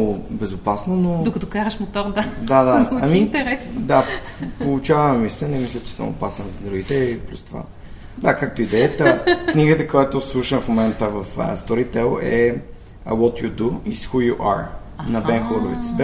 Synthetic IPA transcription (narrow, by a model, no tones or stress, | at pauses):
bɛzʊpasnonod̪okɐt̪ɔkaɾəʃmot̪ɔɾd̪ad̪ad̪aɐmit̪ɛɾɛsnd̪apolˠut͡ʃavəmisɛnɛmislʲət͡ʃɛ̥sə̰mʊ̰pasɛnzɐd̪ɾuɡit̪ɛiplʲṵst̪ova̰ | d̪akak̚t̪oid̪ɛət̪əkniɡət̪əkojat̪oslˠuʃənfmomɛnt̪əvɐfə̰st̪ɔɾit̪ɛlˠɛ | wɔt̪jud̪uisxujuʔa̰ɾ | nɐbɛnxoɾʊvḭt̪sb